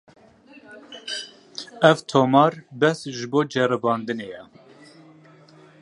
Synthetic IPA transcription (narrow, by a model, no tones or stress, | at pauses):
ɛvt̪ʰoːmɑːɾbɛsʒɨboːd͡ʒɛɾɨbɑːnd̪ɨnejɛ